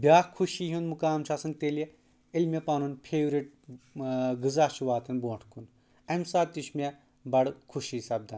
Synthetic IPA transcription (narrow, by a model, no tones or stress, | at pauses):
bʲaːkʰuʃiɦũnmukaːmt͡ʃʰaːsɐnt̪ele | ilmʲepaːnunpʰeːwɾiʈ̚ | ɡɨzaːʃʰuʋaːt̪ɐnboːɳʈʰkʰun | ɐmsaːt̪it͡ʃmʲe | bɐɽkʰuʃisɐb̚d̪ɐːn